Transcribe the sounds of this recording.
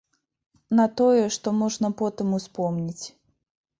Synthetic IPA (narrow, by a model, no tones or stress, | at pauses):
nɐt̪ɔjɛʂt̪ɔmɔʐnɐpɔt̪ɨmuspɔmnʲit͡sʲ